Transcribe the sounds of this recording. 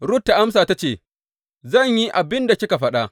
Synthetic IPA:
ɽʊ˦tːa˨ʔa˦msaː˨ta˦t͡ʃeː˦˨ | zɐ˦˨ɲji˦ʔa˨bɪ˦nda˨kʲɪ˦ka˨ɸɐ˦ɗa˦

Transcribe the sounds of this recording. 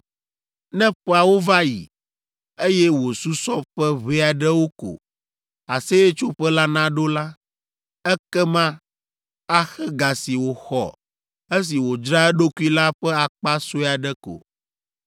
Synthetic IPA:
nɛ̃˦ɸɛ˦a˨wo˦va˦jḭ˨ | e˦jɛ˦wo˨su˦sɔ˦ɸɛ˦βe˦a˨ɖɛ˦wo˦ko̰˨ | a˨se˦e˦t͡ʃo˦ɸɛ˦la˦nã˦ɖo˦la˦ | ɛ˦kɛ˦mã˦ | a˦xɛ˦ɡa˨si˨wo˨xɔ̰˨ | e˦s̬i˨wo˨d͡ʒɾa˦ɛ˦ɖo˦ku˦i˦la˦ɸɛ˦a˨k͡pa˦so˦a˨ɖɛ˦ko̰˨

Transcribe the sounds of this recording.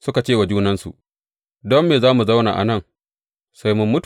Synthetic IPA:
sʊ˦ka˨t͡ʃeː˦˨wa˨d͡ʒuː˦nɐ˦nsṵ˨ʔ | dɔ˦mːeː˨zaː˦mu˨za˦wna̰ː˨ʔa̰˨nɐ˦˨ŋ | sa˦jmʊ˦mːʊ˦t

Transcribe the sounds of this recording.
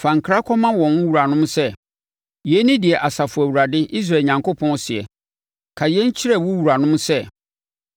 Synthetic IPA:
fã˨ŋ̩˨kʰɾa˦kʰɔ˦mã˦wɔ̃˨n˦wu˨ɾa˨nʊ̃˦m˦sɛ˦ | jɛ˨˦nĩ˦dɪ˨ɛ˨ʔa˨sa˨fʊ˨æ˨wu˨ɾa˨dɪ˦ʔi˦s̬ɾa˨ɲã˨ŋko˦pʰɔ̃˦n˦sɪ˨ɛ̰˨ | kʰa˨jɛ˦ɲ̩˦t͡ɕʰɪ˦ɾɛ˦˨wʊ˦wu˨ɾa˨nʊ̃˦msɛ˦˨

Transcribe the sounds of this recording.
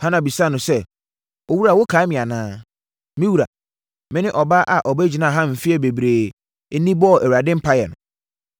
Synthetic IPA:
hã˦nã˨bi˨sa˦˨nʊ̃˨sɛ˦˨ | ɔ˨wu˦ɾa˨wo˦kʰaː˨˦mɪ̃˨a˨nãː˦ | mĩ˦wu˨ɾa̰˨ | mɪ̃˦nɪ̃˦ʔɔ˨ba˦ʔa˨ʔɔ˨bæ˦d͡ʑi˨nãː˦˨ɦã˦m̩˨fi˦ɛ˦be˨bɾeː˨ | e˦nĩ˦bɔ˦˨ʔæ˨wu˨a˨dɪ̃˦m̩˦pʰa˦jɛ̰˨nʊ̃˨

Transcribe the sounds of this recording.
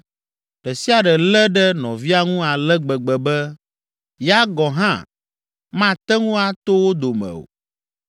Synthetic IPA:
ɖ̥ɛ˨si˦a˨ɖɛ˨lɛ˦ɖɛ˦nɔ̰̃˨vi˦a˦ŋũ˦a˨lɛ˦ɡ͡bɛ˨ɡ͡bɛ˨bɛ˦ | jɛ˦a˦ɡɔ˨ɦã̰˦˨ | mã˦t̪ɛ˦ŋũ˦a˨t̪o˦wo˦d̪o˨mɛ̰̃˨o̰˨

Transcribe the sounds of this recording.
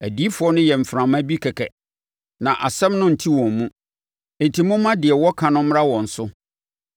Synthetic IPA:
æ˨di˦fʊ˨˦ɔ˦nʊ̃˦jɛ˨m̩˨fɾã˨mæ̃˦bi˦kʰɛ˨kʰɛ̰˨ | nã˨ʔa˨sɛ̃˦mnʊ̃˦n̩˨tʰi˦wɔ̃˨mmũ˦˨ | n̩˨tʰi˨mũʊ̃˦mã˦dɪ˨ɛ˨wɔ˦kʰã˨nʊ̃˦m˦ɾa˦wɔ̃˨n̩˨sʊ˦

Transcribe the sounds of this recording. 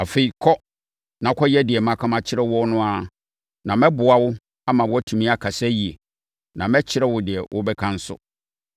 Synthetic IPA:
a˨fe˦i˨kʰɔ˦ | nã˨˦kʰɔ˦jɛ˦dɪ˨ɛ˨mã˨kʰã˦mã˨t͡ɕʰɪ˦ɾɛ˦wʊ˦ɔ˦nʊ̃˦a˦ | nã˨mɛ̃˦bʊ˨a˨wʊ˦ | a˦mã˨wʊ˦ɔ˦tʰũ˨mĩ˦a˦kʰa˨sɛ˦ji˨e˨ | nã˨mɛ̃˦t͡ɕʰɪ˦ɾɛ˦wʊ˦dɪ˨ɛ˨wʊ˦bɛ˦kʰã˦n̩˦sʊ̰˦

